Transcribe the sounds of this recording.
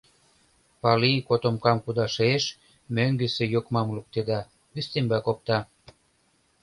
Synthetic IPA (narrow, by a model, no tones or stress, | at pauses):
pɑlikot̪omkɑmkud̪ɑʃeʃ | møŋɡĕsĕjokmɑmluk̚t̪ed̪ɑ | βyst̪embɑkop̚t̪ɑ